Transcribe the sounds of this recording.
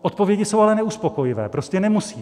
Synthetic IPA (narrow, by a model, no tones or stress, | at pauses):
ʔot̪̚povjɛɟɪso̞walɛnɛuspoko̞jɪvɛ̰ːpɾoscɛnɛmusiː